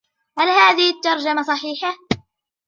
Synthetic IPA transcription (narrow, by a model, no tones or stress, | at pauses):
halhaːðɪhɪt̪ːɑɾˤd͡ʒamasˤɑħiːħa